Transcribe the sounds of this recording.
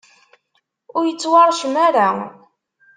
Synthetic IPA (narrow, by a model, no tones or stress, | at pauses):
ʊɾjət͡sːwɑɾˤʃmaɾa